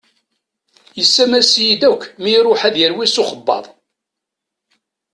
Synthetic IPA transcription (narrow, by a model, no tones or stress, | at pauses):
jəsːæmæsjid̪ækʷːmiɾˤʊħæðjəɾwisʊχəbːɑ̰ðˤ